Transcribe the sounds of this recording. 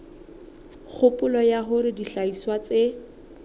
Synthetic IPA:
k͡xʰʊpʼʊlɔjaɦʊɾɪdiɬaiswat͡se

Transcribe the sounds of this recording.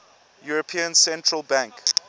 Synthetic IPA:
juɹəpʰĩə̃nsɛ̃ntʰɹəlˠbãŋk

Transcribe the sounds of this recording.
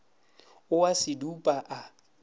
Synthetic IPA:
ʊwasɪdupʼaʔa

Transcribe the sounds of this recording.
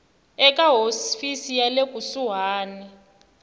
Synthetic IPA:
ɛkʼaɦofisijalekʼusuɦaːnɛ

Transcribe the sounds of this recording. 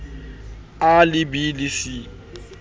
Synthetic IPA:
alɪbilɪsi

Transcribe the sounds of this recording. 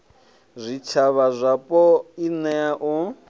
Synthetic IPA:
zʷit͡ʃʰaβazʷapʼɔinɛaʔɔ

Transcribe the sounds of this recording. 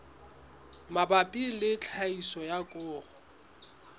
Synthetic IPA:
mabapʼilɪt͡ɬʰaisɔjakʼʊːrɔ

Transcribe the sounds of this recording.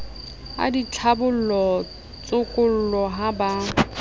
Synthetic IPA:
a̰dit͡ɬʰabʊl̩lɔ | t͡sʼʊkʼʊl̩lɔɦaba

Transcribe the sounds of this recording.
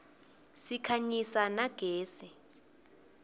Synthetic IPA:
sikʰaɲisanaɡ̥ʱeːsɛ

